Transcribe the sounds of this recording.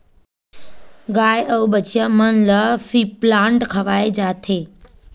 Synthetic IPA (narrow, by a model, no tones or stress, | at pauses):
ɡaːjʔəubət͡ʃʰijəmənləfiplãɳʈkʰəʋaːed͡ʒat̪ʰeː